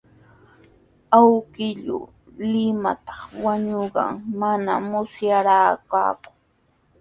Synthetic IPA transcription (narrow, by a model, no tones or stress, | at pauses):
awkɪʎʊ̰ | lɪma̰t̪ɑ̥χwaɲʊɢɑ̰ŋmanamʊsjaɾaːka̰ːkʊ̥ŋ